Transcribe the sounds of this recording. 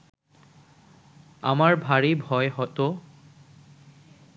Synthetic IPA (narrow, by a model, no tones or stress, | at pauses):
a̰maɹbʱaɹibʱɔjɦɔto